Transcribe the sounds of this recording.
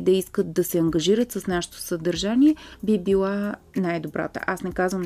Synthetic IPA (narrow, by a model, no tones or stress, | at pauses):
d̪ɐiskət̪̚d̪ɐsɛɐŋɡɐʒiɾət̪səsnaʃɛ̥t̪o̥səd̪ɐɾʒaniɛbibilˠa | najd̪obɾa̰t̪ə̰ʔasnɛkazvəm